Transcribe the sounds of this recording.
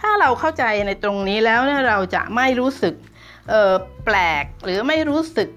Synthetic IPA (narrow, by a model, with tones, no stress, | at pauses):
t̪ʰaː˥˩ɾa˧wkʰa˥˩wt͡ɕa˧jna˧jt̪ɾo˧ŋniː˦˥lɛː˦˥wniː˥˩ɾa˧wt͡ɕa̰˨˩ʔma˥˩jɾuː˦˥sɯ˨˩k̚ | ʔɤː˨˩plɛː˨˩k̚ɾɯː˩˦ma˥˩jɾuː˦˥sɯ˨˩k̚